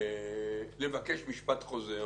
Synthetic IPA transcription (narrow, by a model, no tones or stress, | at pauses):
le̞vakeʃmiʃpat̪χo̞ze